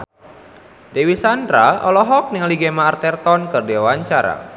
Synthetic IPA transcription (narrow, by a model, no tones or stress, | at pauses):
dewisandɾaɔ̰lɔɦɔk̚nɪŋliɡemaːrt̪ɛrt̪ɔnkɨrdiawaɲt͡ʃaɾa̰